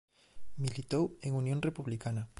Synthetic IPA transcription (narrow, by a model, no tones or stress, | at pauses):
milit̪oweŋunjõŋrepuβlikanɐ